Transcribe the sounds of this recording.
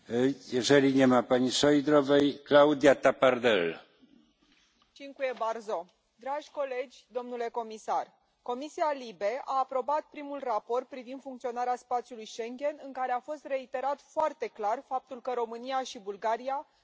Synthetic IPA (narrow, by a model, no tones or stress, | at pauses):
jɛʒɛɾiɲʲemapaɲʲiʃojd̪ɾovɛjklawd̪ijat̪apaɾd̪ɛl | t͡ʃiŋkuje̞barzo̞ | d̪ɾaʒʲko̞le̞d͡ʒʲd̪o̞mnule̞ko̞misar | ko̞misialibe̞aːpɾo̞bat̪̚pɾimulrapo̞rt̪̚pɾivind̪fuŋkt̪sio̞naɾeaspat̪sijulujʃe̞ŋɡʲe̞nɨŋkaɾe̞afo̞st̪re̞it̪e̞ɾat̪foart̪e̞klarfap̚t̪ulkəɾo̞mɨniaʃibulɡaɾia